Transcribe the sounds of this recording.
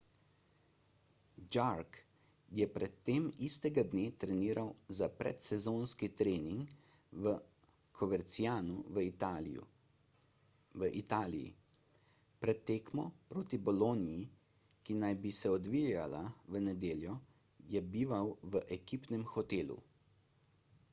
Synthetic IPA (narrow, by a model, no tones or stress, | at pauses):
d͡ʒaɾk | jɛpɾɛt̪ːeːmist̪ɛɡad̪neːt̪ɾɛniːɾʔawzapɾɛ̰t̪sɛzoːnskit̪ɾeːniŋk | ə | kʰɔʋɛɾt̪sijaːnuʋə | ʋəʔit̪aːlḭjḭ | pɾɛt̪ːeːkmɔpɾoːt̪ibɔloːniji | kinajbisɛɔd̪ʋijalaʋənɛd̪eːljɔ | jɛbiːʋawʋəʔɛkiːpnɛmxɔt̪eːlṵ